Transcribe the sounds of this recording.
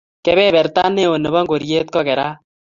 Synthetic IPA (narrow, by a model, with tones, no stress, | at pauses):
kɛ˦βɛ˦βɛ˨ɾt̪a˦ne˦o˨ne˨βɔ˦ŋɡo˨ɾjeː˦t̪̚kɔ˦kɛ˨ɾaː˦